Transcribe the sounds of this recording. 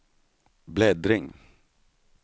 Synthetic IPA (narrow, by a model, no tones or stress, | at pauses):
blɛːd̪ɾɪŋ